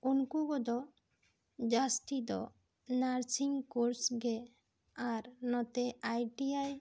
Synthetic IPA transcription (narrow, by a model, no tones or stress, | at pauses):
unkuɡɔd̪ɔ | d͡ʒast̪id̪ɔ̰ | naɾsiŋkuɾsɡe | aɾnɔt̪eajʈiaj